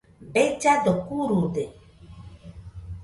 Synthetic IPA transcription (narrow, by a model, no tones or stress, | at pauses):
bɛd͡ʒadɔkuɾudɛ